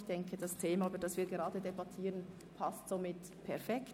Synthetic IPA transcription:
çd̥ɛŋkʰəd̥astʰeːmayːbədɑsviːɾɡeʁɑːdədebatʰiːʁən | pʰastz̥omɪt | pʰɛɐfɛkt

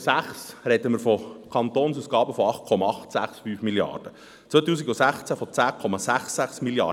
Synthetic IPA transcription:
sæχsɾɛd̪əmɪɾfɔkʰɑnt̪oːnsuːsɡ̥ɑːbəfɔɑχt̚kʰɔmɑɑχt̪sæχsfyːfmiljɑ̰ːrd̥ə | t͡sʋœt̪uːsiɡusæχt͡sæfɔt͡sæːkʰɔmɑsæχsæχsmiljɑ̰ː

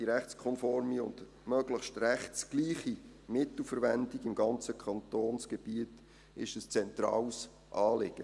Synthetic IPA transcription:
d̥iɾɛχt͡skʰɔnfɔɾmiʊnd | mœɡ̥ləχʃtɾɛχtsɡ̥liːχi | mɪt̪l̩fəɾvɛndiɡɪmɡɑnt͡səkʰχɑnt̪oːnsɡ̥ɛb̥iət | ɪ̰ʃəst͡sɛntɾɑ̰ːws | ʔɑːlɪɡ̥ə

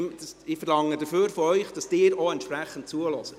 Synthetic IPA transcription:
dsɪfəɾlɑŋːədəføːɾfɔœʏχd̥ɑsd̥ɪːɾoɛntʃpɾæχən̩t̚t͡suəlɔsə

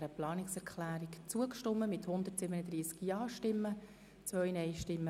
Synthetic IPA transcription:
ɾəplɑːnɪksɛɾkχlæːɾikt͡suəkʃtɔmːəmɪt̪hʊnd̪ərtsɪbənəd̪ɾiːskjɑːʃtɪmːə | t͡sʋœjnɛjʃtɪmːə

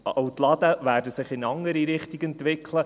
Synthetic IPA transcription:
ɔʊt̪lɑd̪əʋæːɾdəsɪχɪnɑŋːəɾiɾɪχt̪iɡɛnt̪ʋɪkʰlə

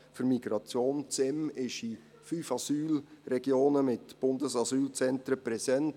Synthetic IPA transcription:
fʏɾmiɡɾɑt͡sjoːnt͡sɛmɪʃi | fyːfɑsyːlrɛɡ̥joːnəmɪtb̥ʊndəsɑsyːlt͡sɛntɾəpɾɛsɛnt

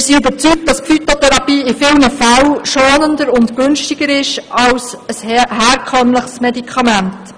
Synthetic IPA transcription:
mɪsiybəɾt͡syk̚dɑsfyt̪otʰɛɾɑpiːɪfɪlnəfæwʃoːnəndəɾʊntkʏnʃtiɡ̥əɾɪʃɑws | əshɛːɾkʰœmləχsmɛdikʰɑmænt

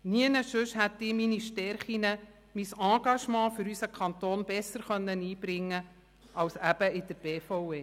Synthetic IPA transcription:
niənəʃʉʃhæt̪ːɪminiʃtɛɾχinə | misɑ̃ːɡ̥ɑʃmɑ̃ːfʏɾysəkʰχɑnt̪oːnb̥ɛsːəɾχœnːəniːb̥ɾɪŋːə | ʔɑwsæb̥əɪd̥̪əɾb̥eːfɔweː

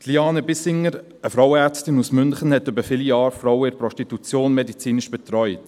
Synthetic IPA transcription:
tliɑːnəbɪsɪŋəɾ | əfɾɔwəɛɾt͡stɪnusmʏnχənhɛtːʏbəfɪlijɑːɾfɾɔwɪɾpɾɔʃtitut͡sjoːnmɛdit͡siːnɪʃb̥ɛt̪ɾɔʏt

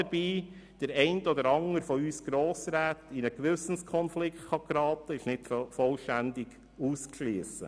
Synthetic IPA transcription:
əɾb̥iː | d̥əɾɛɪntɔdəɾɑŋəɾfɔyːsɡ̥ɾɔːsɾæːtinəkʋʏsn̩skʰɔnflɪktχɑkɾɑːtəɪʃnɪtfɔlʃtændɪɡ̥ | uːskʃliːəsə̰

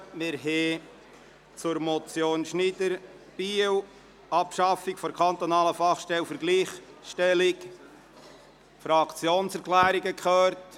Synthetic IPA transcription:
mɪɾɦɛː | t͡sʊɾmɔt͡sjoːnʃnidəɾ | b̥iːw | ʔɑpʃɑfɪkfɔɾkʰɑnt̪onɑːləfɑχʃtɛlfəɾɡliːχʃtɛlɪk | fɾɑkt͡sjoːnsɛɾkʰlæːɾiɡəkʰχøːɾt

